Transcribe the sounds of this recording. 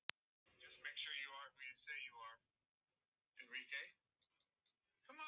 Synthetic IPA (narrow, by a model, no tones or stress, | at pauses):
d͡ʒʌs̚meɪkʃʊɹjɨə˞wəjɨsejɨə˞ | ɨ̃nɹikʰeɪ | kʰʌ̃m